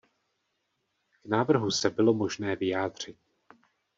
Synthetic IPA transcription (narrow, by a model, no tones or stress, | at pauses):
knaːvr̩ɦusɛbɪlo̞mo̞ʒnɛːvɪjaːd̪r̝̥ɪt̪